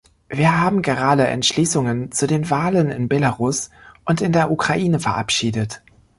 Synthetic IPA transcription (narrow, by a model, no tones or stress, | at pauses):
viːɐɦaːbm̩ɡəʁ̞aːdəʔɛ̰ntʃliːsʊŋənt͡sudeːnvaːlənɪ̰nbelaʁʊsʔʊntɪndeːɐʔukʁ̥aʔiːnəfɛɐʔa̰pʃiːdət